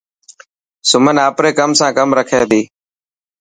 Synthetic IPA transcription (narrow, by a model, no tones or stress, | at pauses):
sʊmənaːpɾeːkəmsãːkəmɾəkʰeːd̪iː